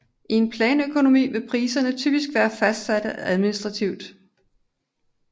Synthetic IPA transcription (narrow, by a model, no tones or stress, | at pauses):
ʔie̝npʰlɛːnøkʰo̝no̝mḭːʋe̝pʰʁiːsɐnət͡sʰyb̥isɡ̥ʋæːɐfæsd̥sæd̥əʔæðˠminisd̥ʁɑ̈t͡sʰiʊd̥